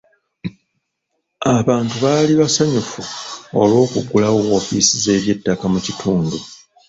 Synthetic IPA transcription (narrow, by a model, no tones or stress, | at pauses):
aβaːntuβaliβasaɲufuo̞lwo̞ːkuɡulawowo̞ːfisize̞ːβje̞tːakamucitʰuːndu